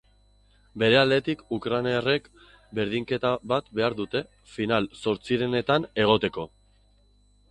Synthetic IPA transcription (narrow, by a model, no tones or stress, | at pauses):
be̞ɾe̞ald̪e̞t̪ikukɾaneere̞k | be̞ɾðiŋke̞t̪aβat̪be̞aɾðut̪e̞ | finalso̞ɾt͡siɾe̞ne̞t̪ane̞ɣ̞o̞t̪e̞ko̞